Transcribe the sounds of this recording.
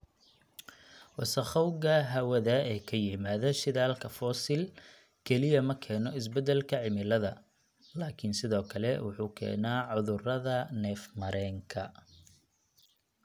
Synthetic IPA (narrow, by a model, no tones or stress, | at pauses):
wɑsɐχɔwɡɐɦɐwɐðɐɛːkʰɐjɪmaːðɐʃɪðaːlkʰɐfɔːsɪl | kʰɛlɪjɐmɐkʰɛːnɔɪs̬bɛd̪ɛlkʰɐʕɪmɪlɐðɐ | laːkʰɪnsɪðɔːkʰɐlɛwʊħuːkʰɛ̰ːnaːʕʊðʊrɐðɐnɛːfmɐɾɛːŋkʰɐ